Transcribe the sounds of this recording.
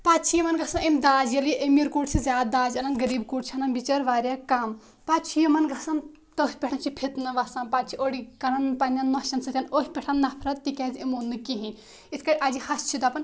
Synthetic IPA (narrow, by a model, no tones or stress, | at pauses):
paːt͡ʃʰijɐmɐnɡʱɐsɐnɐmd̪aːd͡ʒjɐljiʔemiɾkuːʈsʰizʲaːd̪̚d̪aːd͡ʒɐnɐnɡɐɾiːbkuːʈt͡ʃʰiɐnɐnbit͡ʃɐɾʋaːɾjakaːm | paːtt͡ʃʰijɐmɐnɡʱɐsɐn | t̪oɦʲipʲeʈʰɐnt͡ʃʰipʰit̪nɨʋasãːmpaːtt͡ʃʰiʔoːɽikɐnɐnpɐnʲɐnːɐʃɐnsɨt̪ʲɐnoːɦʲipʲeʈʰɐnːɐpʰɾɐt̪t̪ikʲɐzimonːɨkiɦĩnʲ | it̪ʰkɐɾʲʔaːd͡ʒihɐst͡ʃʰid̪ɐːpɐn